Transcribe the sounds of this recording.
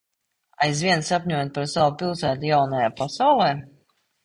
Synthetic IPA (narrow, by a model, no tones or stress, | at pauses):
ajzvʲiɛnsapʲɲʲuɔjɛt̪̚paɾsawupʲilˠsæːt̪ujawnajaːpasawlˠɛː